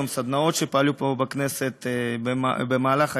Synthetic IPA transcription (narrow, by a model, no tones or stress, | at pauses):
msad̪nao̞t̪ʃepaalupobaknese̞t̪ | bemaːlaχa